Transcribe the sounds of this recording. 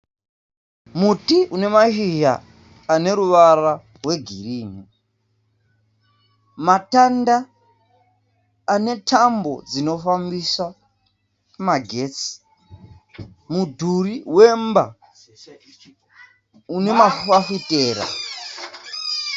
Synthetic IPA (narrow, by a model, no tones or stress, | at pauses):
mutiʔune̞maʃiʒa̰ː | ne̞ɾuʋaɾa | rwe̞ɡʱiriːni | matanda | ne̞tʰambo̞̰d͡zino̞fambisa | maɡʱe̞ːt͡si̥ | mudʱuriwe̞mba̰ | une̞maafiteːɾa̰